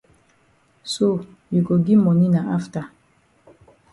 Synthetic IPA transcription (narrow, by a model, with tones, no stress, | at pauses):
so˦˨ | ju˨ko˨ɡi˦mɔ˨ni˦na˨a˦fta˨